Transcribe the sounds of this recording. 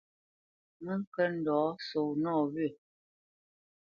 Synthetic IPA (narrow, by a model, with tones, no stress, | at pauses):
mə˦ŋ˦kə˦n̩˨dɔː˨˦so˨wnɔː˦˨βɥə˨